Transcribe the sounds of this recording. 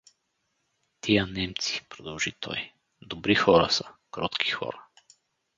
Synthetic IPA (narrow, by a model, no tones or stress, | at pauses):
t̪ijənɛmt̪si̥pɾɔd̪ɔlˠʒit̪ʰɔ̰j | d̪ɔbɾixɔɾasakɾɔt̪kʰi̥xɔ̰ɾa